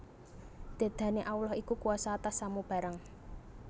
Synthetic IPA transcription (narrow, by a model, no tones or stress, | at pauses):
d̪̥a̤d̪̥a̤neʔaulɔhikukuasaːt̪asːamub̥a̤ɾaŋ